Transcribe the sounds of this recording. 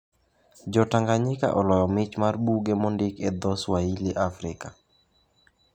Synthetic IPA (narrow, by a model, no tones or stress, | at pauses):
d͡ʒɔtaŋɡaɲɪka̰ʔɔlɔjɔmɪt͡ʃmarbuɡemɔndɪked̪ɔswailiʔafɾɪka